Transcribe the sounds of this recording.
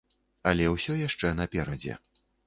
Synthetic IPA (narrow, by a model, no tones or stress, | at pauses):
ɐlʲɛwsʲɔjaʂt͡ʂɛnɐpʲɛɾɐd͡zʲɛ̰